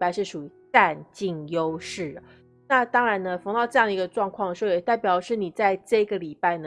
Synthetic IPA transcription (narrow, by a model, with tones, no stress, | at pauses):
pa˥˧ɪʂɻ̩˥˩ʂu˨˩i˧˥ta˥˧nt͡ɕi˥˩ŋjo˦˥ʊʂɻ̩˥˩ə˩ | na˥˨˧t̪ɑ˥ŋɻa˧˥nnə˧fɑ˧˥ŋt̪ɑ˥˧ʊʈ͡ʂɤ˥˧jŋd̪ə˩˧˥ɡə˧ʈ͡ʂwɑ˥˧ŋkʰwɑ˥˩ŋd̪ə˩ʂɻ̩˧˥o˥˩jɛ˨˩t̪a˥˩ɪpjɑ˨˩ʊ˧˦ʂɻ̩˥˩ni˨˩t͡sa˥˧ɪʈ͡ʂɤ˥˩i˦ɡə˩li˨˩pa˥˩ɪnə˩